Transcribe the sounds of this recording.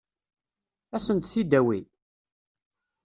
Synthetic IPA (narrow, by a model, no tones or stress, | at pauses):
æsənt̪θid̪æwḭ